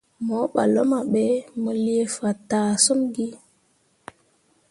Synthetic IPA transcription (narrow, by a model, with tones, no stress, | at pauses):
mo˨˦ɓa̰˨lo˦ma˨ɓe˦mə˨li˦e˦fa˨taː˨so˦mɡi˦